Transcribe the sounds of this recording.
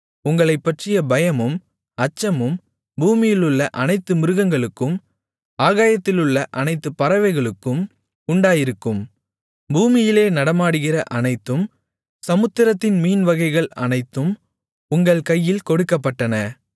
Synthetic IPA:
ʊŋɡɐɭɐɪpːɐʈrɪjɐbɐjɐmɯm | ɐt͡ʃːɐmɯm | buːmɪjɪlɯɭːɐʔɐnɐɪt̪ːɯmɪɾɯɣɐŋɡɐɭɯkːɯm | aːɣaːjɐt̪ːɪlɯɭːɐʔɐnɐɪt̪ːɯpːɐɾɐʋɐɪɣɐɭɯkːɯm | ʊɳɖaːjɪɾɯkːɯm | buːmɪjɪleːnɐɽɐmaːɽɯɣɪrɐʔɐnɐɪt̪ːɯm | sɐmɯt̪ːɪɾɐt̪ːɪnmiːnʋɐɣɐɪɣɐɭɐ̰nɐɪt̪ːɯm | ʊŋɡɐɭkɐjːɪlkɔɽɯkːɐpːɐʈːɐnɐ

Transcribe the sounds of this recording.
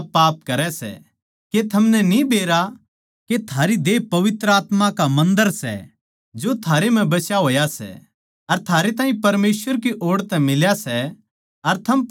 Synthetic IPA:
pːaːp̚kɐɾɛsɛ̰ | ket̪ʰɐmnɛnibeːɾa | ket̪ʰaːɾid̪eːpɐʋɪt̪ɾəaːt̪mãkamɐ̃nd̪əɾsɛ̰ | d͡ʒoːt̪ʰaːɾem̤ɛ̃bɐsjaɦoːjasɛ̰ | ɐɾt̪ʰaːɾet̪ãːĩpɐɾmeːsʋəɾkiʔoːɽt̪ɛ̃mɪljasɛ | ɐɾt̪ʰɐm

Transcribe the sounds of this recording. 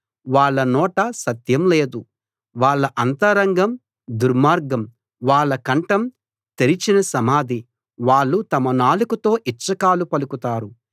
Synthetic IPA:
ʋaːɭːɐnɔːʈɐsɐt̪jɐmle̞ːd̪u | ʋaːɭːɐʔɐnt̪ɐɾɐŋɡɐm | d̪uɾmaːɾɡɐm | ʋaːɭːɐkɐɳʈɐm | t̪eɾit͡ʃinɐsɐmaːd̪i | ʋaːɭːut̪ɐmɐnaːlikut̪o̞ːʔit͡ʃːɐkaːlupɐlukut̪aːɾu

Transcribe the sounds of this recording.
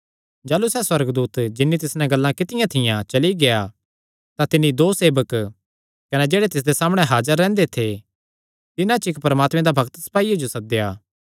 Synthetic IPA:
d͡ʒaːlːusɛːswɐɾəɡd̪uːt̪d͡ʒɪnːit̪ɪsnãɡɐlːãkɪt̪ɪjãt̪ʰɪjãt͡ʃɐliɡea | t̪ãt̪ɪnːid̪oːseːbək | kɐned͡ʒeːɽet̪ɪs̬d̪esaːməɽ̃eɦaːd͡ʒəɾːɛ̃ːnd̪et̪ʰe | t̪ɪnãt͡ʃɪkpɐɾəmaːt̪mẽd̪abʱɐɡt̪sɐ̥paːijad͡ʒosɐd̪ejaː

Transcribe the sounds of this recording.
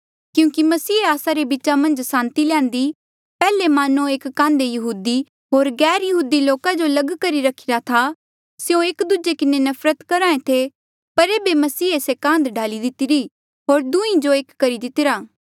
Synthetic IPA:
kjũːkimɐsiːaːsaɾebɪt͡ʃamɐ̃nd͡ʒsãːnt̪ilɛ̃ːnd̪i | pɛːlemaːnũeːkːãːnd̪ejɐɦuːd̪i | ɦoːɾɡɛːɾjɐɦuːd̪iloːkad͡ʒolɐɡkɐɾiɾɐkʰiɾat̪ʰa | sjõeːkd̪ud͡ʒekɪnenɐfɾət̪kɐɾãːẽt̪ʰe | pɐɾeːbemɐsiːesekãːnd̪ɖaːlid̪ɪt̪ɪɾi | ɦoːɾd̪uĩd͡ʒoeːkːɐɾid̪ɪt̪ɪɾaː

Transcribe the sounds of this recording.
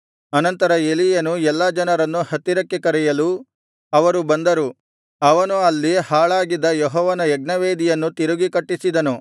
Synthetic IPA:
ɐnɐnt̪ɐɾɐelijɐnuɛlːɐd͡ʒɐnɐɾɐnːuhɐt̪ːiɾɐkːekɐɾɛjɐlu | ɐʋɐɾubɐnd̪ɐɾu | ɐʋɐnuɐlːihaːɭaːɡid̪ːɐjɔɦɔːʋɐnɐjɛɡ̚nɐʋeːd̪ijɐnːut̪iɾuɡikɐʈːisid̪ɐnu

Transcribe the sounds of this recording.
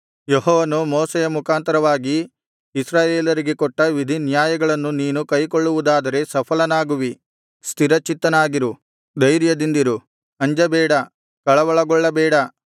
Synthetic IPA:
jeɦɔːʋɐnumɔːsɛjɐmukʰaːnt̪ɐɾɐʋaːɡiː | sɾaːjeːlɐɾiɡekɔʈːɐʋid̪ʱinjaːjɐɡɐɭɐnːuniːnukɐjkoɭːuʋud̪aːd̪ɐɾe̞sɐpʰɐlɐnaːɡuʋi | st̪ʰiɾɐt͡ʃit̪ːɐnaːɡiɾu | d̪ɐjɾjɐd̪ind̪iɾu | ɐɲd͡ʒɐbɛːɽɐ | kɐɭɐʋɐɭɐɡɔɭːɐbɛːɽɐ

